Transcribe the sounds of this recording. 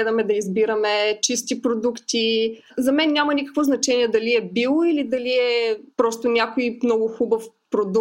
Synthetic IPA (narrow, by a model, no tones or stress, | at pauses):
ɛd̪əmɛd̪ɐizbiɾəmɛt͡ʃist̪ipɾod̪ukt̪i | zɐmɛnːʲamɐnikə̥kvoznɐt͡ʃɛnʲiɛd̪ɐliɛbilˠoilid̪ɐliɛpɾɔst̪ʊnʲjakojmnɔɡʊxubəfpɾod̪u